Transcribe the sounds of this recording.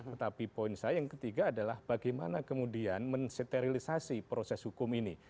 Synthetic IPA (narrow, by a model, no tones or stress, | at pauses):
t̪ət̪apipoɪnsajajaŋkət̪iɡaːdalahb̥aɡajma̰nakəmudianmənset̪eɾilisasipɾosɛshukʊmini